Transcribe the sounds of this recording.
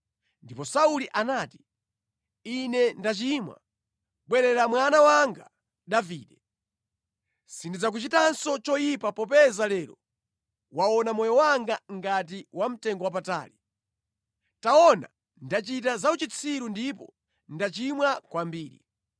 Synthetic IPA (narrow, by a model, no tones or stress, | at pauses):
ndipɔsauliʔanaːti̥ | inɛndat͡ʃimwa̰ | ɓwɛɾɛɾamwanawaŋɡa | ɗaviːɗɛ | sindid͡zak̬ut͡ʃitansɔt͡ʃɔjipapɔpɛzalɛːɾɔ̰ | waɔnamɔjɔwaŋɡaŋɡat̬iwam̩tɛŋɡɔwap̬ata̰ːli | taɔna̰ | ndat͡ʃit̬azaut͡ʃit͡sʰiɾundipɔ̰ | ndat͡ʃimwakwambiːɾḭ